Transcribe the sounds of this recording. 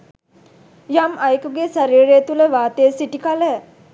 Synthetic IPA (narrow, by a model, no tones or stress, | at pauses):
jamɐjkuɡesaɾiːɾejːt̪uləʋaːt̪ejsiʈikalə